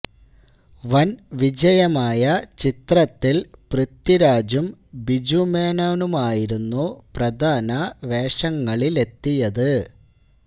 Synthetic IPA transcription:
ʋɐnʋid͡ʑɐjɐmaːjɐt͡ɕit̪rɐt̪ːilprɨt̪ːiɾaːd͡ʑumbid͡ʑumeːnonumaːjiɾunːuprɐd̪ʱaːnɐʋe̞ːʂɐŋːɐɭile̞t̪ːijɐðɨ

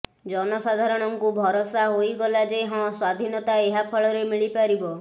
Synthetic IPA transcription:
d͡ʒɔnɔsad̪ʱaɾɔɽ̃ɔŋkubʱɔɾɔsaɦojɡɔlad͡ʒeɦɔ̃swad̪ʱinɔt̪aeɦapʰɔɭɔɾemiɭipaɾibɔ

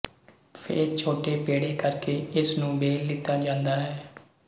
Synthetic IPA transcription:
pʰḛːɾt͡ʃʰoːʈeːpeːɽeːkəɾkeːɪsnũːbeːlːɪt̪ːaːd͡ʒãːnd̪aːɦɛː

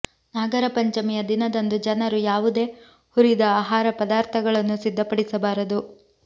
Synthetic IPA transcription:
naːɡɐɾɐpɐɲt͡ʃɐmijɐd̪inɐd̪ɐnd̪ud͡ʒɐnɐɾujaːʋud̪e̞ː | huɾid̪ɐaːɦaːɾɐpɐd̪aːɾt̪ʰɐɡɐɭɐnːusid̪ʱːɐpɐɽisɐbaːɾɐd̪u

